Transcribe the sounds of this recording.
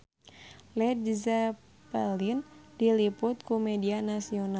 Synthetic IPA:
lɛt̚d͡ʒiza | pɛlindilipʊt̪̚kumɛdianasiona

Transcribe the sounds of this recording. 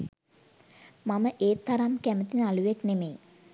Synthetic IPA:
maməʔeːt̪ːaɾamkæmət̪inəaluʋeknemej

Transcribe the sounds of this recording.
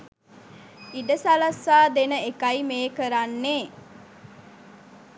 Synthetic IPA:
iɖəsalasːaːd̪enəekaimeːkəɾanːeː

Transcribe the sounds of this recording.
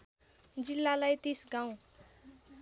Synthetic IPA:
d͡zilːalajt̪isɡaw̃

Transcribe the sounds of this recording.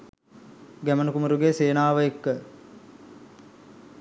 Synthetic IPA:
ɡæmənəkumuɾuɡeseːnaːʋəekːə

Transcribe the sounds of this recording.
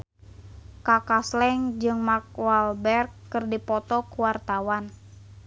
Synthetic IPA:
kakaslɛŋd͡ʒɨŋmak̚walbɛrkːɨrdipɔt̪ɔkuwart̪awan

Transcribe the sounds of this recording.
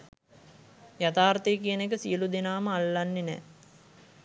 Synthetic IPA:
jat̪aːrt̪ejːk̬ijənekəsijəlud̪enaːməalːanːenɛ̰ː

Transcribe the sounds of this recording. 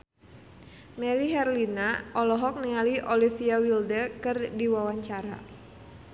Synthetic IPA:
mɛɾiɦɛrlinaʔɔlɔɦɔk̚niŋaliʔolifiawildəkɨrdiwawaɲt͡ʃaɾa̰

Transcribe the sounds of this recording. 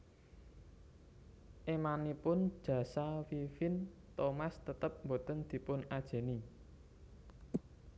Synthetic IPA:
ʔemanipʊnd̥ʒ̥ä̤sawifɪnt̪omast̪ət̪əp̚mbo̤t̪ənd̪̥i̤pʊnad̥ʒ̥e̤ni

